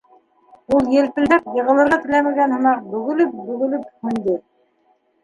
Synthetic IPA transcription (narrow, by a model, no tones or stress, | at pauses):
ulˠjɘ̆lpɘ̆ld̪æpjɤ̆ʁɤ̆lˠɤ̆ɾʁɑt̪ɘ̆læmæɡænhɤ̆mɑq̚bɵ̆ɣɵ̆lɘp̚bɵ̆ɣɵ̆lɘphɵ̆nd̪ɘ